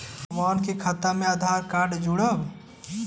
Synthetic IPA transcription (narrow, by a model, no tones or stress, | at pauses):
maːnkikʰɐt̪amẽaːd̪ʱaːɾkaːɖd͡ʒuɽəb